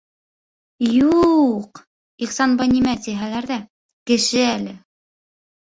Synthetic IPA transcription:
juq | iχsɑnbɑjnimæt̪ʲiɦælæɾðæ | kɘ̆ʃɘælɘ

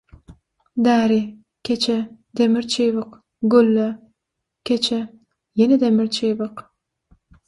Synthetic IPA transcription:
d̪æːɾi | kʲʰet͡ʃʰe | d̪emiɾt͡ʃʰijβɨq | ɡølːæ | kʲʰet͡ʃʰe | jened̪emiɾt͡ʃʰeβɨq

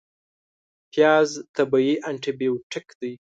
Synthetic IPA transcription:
pjɑzt̪abaiʔaɳʈɪbiuʈɪkd̪aj

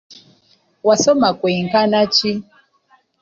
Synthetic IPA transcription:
wasɔmakwɛiŋkanat͡ʃi

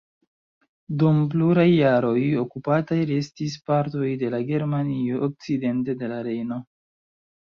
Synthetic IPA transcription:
dump̬luɾajːaɾo̞jo̞kupatajɾe̞stispaɾto̞jde̞laɡe̞ɾmanio̞ʔːk̚t͡side̞nte̞de̞laɾe̞jno̞

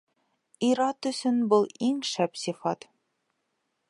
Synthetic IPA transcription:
iɾɑt̪ɵ̆sɵnbulˠiŋʃæpsifɑt̪

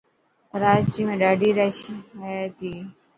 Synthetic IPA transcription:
ɾaːt͡ʃiːmẽːɖaːɖiːɾaʃ | t̪iː

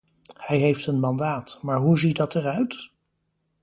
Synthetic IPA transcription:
hɛjɦejftənmɑndaːtmaːɹɦuzit̚dɑtɛrœɥt

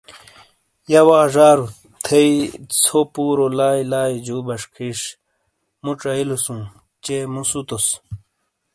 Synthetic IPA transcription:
jɐwaːʐaːɾu | t̪ʰeit͡sʰopuːɾolaːilaːid͡ʑuːbɐʂkʰiːʂ | muʈ͡ʂɐilusũ | t͡ɕemusut̪os

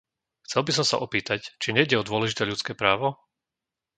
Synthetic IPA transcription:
xt͡sɛlˠbis̬ɔmsa̰ʔɔpiːt̪act͡ʃiɲɛiɟɛɔd̪ʊɔlɛʒit̪ɛːʎut͡skɛːpɾaːʋɔ

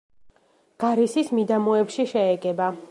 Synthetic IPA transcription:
ɡ̥aɾisismid̪amɔɛpʃiʃɛɛɡɛba

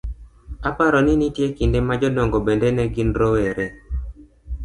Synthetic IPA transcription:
apaɾɔnɪnitjekindemad͡ʒɔdɔŋɡɔbendenɛɡinɾɔweɾe

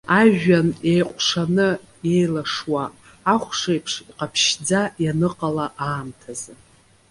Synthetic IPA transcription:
aʒᶣanejqʷʼʂanɨ | ejlaʂwaː | χʷʂajpʰʂiqʼapʰʃd͡zajanɨqʼalaʔaːmtʰazɨ

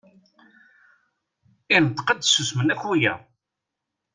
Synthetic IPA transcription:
ɪnt̪qəd̪susmənæçujæ̰

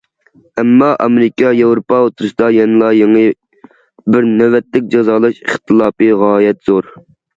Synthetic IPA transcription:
ɛmːɑʔɑ̰meɾɪkʲɑjewɾopʰɑot̪ɾusd̪ɑjɛnɨlˠɑjeŋɨ | bɪɾnɛvɛt̪lɪk̚ʲd͡ʒɑzɑːlˠɑʃiχt̪ʰɨlˠɑːpɨʁɑːjɛt̪z̥oɾ

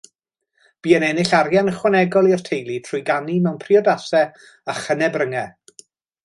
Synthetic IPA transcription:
b̥iːənɛnɪɬaɾjanəχwanɛɡɔlˠirtʰejlˠitʰrʊjɡanimɛwnpʰriɔdasɛ | aχənɛbrəŋɛ

